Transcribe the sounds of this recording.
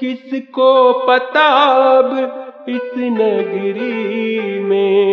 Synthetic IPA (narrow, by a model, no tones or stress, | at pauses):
kɪskopət̪abɪsnəɡəɾi | mẽ